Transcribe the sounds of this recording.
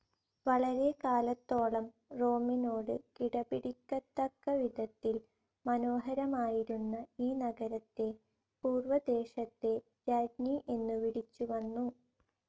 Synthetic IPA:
ʋɐɭɐɾe̞kaːlɐt̪ːo̞ːɭɐm | ro̞ːmino̞ːɽɨkiɽɐbiɽikʲːɐt̪ːɐkːɐʋid̪ʱɐt̪ːil | mɐno̞ːɦɐɾɐmaːjiɾunːɐiːnɐɡɐɾɐt̪ːe̞ | puːrʋɐd̪e̞ːɕɐt̪ːe̞ | ɾɐɖɲiʔe̞nːuʋiɽit͡ɕːuʋɐnːu

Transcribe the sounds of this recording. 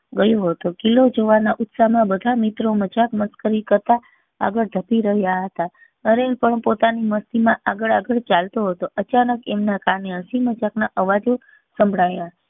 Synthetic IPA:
ɡəjoɦət̪okilod͡ʒoʋanaʔʊt̪samãbəd̪ʱamit̪ɾomət͡ʃakməskəɾikəɾt̪a | a̰ɡəɭd̪ʱəpiɾəɦjaɦət̪a | ənepəɳpot̪animəst̪imãʔaɡəɭaɡəɭt͡ʃalt̪oɦət̪oʔət͡ʃanəkemnakaɾneɦəsimət͡ʃaknaʔəʋad͡ʒo | səmbʱɽaja

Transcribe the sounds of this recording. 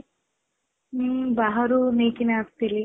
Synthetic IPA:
baɦɐɾuniːkinaːst̪ili

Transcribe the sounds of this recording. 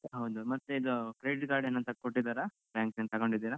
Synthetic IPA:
ɦɐwd̪umɐt̪ːeiːɡɐkɾeːɖiʈɡaːɾɖeːnːɐnt̪ɐkoʈːid̪aːɾa | baːŋksenɐt̪ɐɡoɳɖid̪iːɾɐ

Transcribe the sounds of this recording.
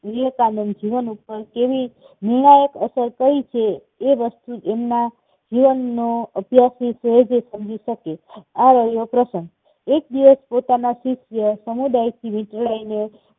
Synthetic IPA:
ʋijəkanənd͡ʒiʋənupəɾkeʋi | niɳ̃ajəkəsəɾkəɾit͡ʃʰeː | ʋəst̪uemna | d͡ʒiʋənːoəbʱjasisəɦed͡ʒesəmd͡ʒiʃəkeaɾəɦejopɾəsə̃ŋɡ | ek̚d̪iʋəspot̪anasisjəsəmud̪ajt̪ʰiʋɪ̃ʈɭajne

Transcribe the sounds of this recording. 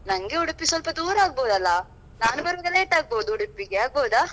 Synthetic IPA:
nɐŋɡeuɽupːisɐlpɐd̪uːɾaːɡ̚boːd̪ɐlːɐ | naːnubɐɾʋɐɡɐleːʈːaːɡ̚boːd̪uuɽupːiɡeaːɡ̚boːd̪aː

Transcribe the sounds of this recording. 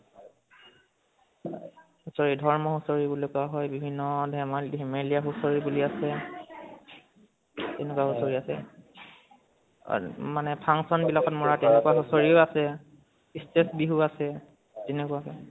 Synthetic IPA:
husoɹidʱɔɹmɔɦusoɹibulokuaɦɔjbibʱinːɔdʱɛmalɦemeliaɦusoɹibuliasɛ | tɛnɛkwaɦusoɹiasɛ̰ | manɛpʰaŋsɔnbilakɔtmɔɹatɛnɛkuwaɦusoɹioasɛ | istesbiɦuasɛ | tenɛkuwakɛ

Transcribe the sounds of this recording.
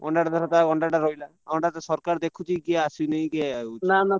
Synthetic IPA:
ɡɔɳɖaʈad̪ɔɾɔt̪aɡɔɳɖaʈaɾɔɦila | awɳʈat̪asɔɾkaɾd̪ekʰut͡ʃikiasineĩkiaanana

